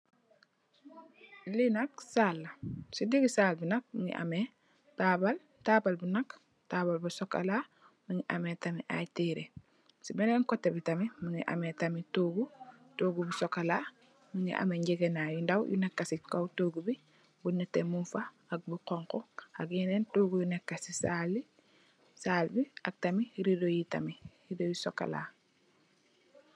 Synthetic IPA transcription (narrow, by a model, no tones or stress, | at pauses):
linɐksalːɐsidiɡisaːlbinɐk̚miŋḭʔa̰me | taːbal | taːbalbunak | tabalbusɔka̰la | muŋiʔametamiʔa̰jtiɾe | sibɛnɛŋkotːebitamimuŋiʔa̰metamitoːɡu | toːɡubusɔkalaː | muŋḭʔa̰meɲɟeɡenajundawjṵnɛkːasikowtoːɡubi | bunːɛtːemunfa | aɡ̚buqɔŋkɔaɡinentoːɡujunɛkːasisaːlːi | saːlbia̰k̚tɐmiɾidojita̰mi | idojisoka̰la̰ː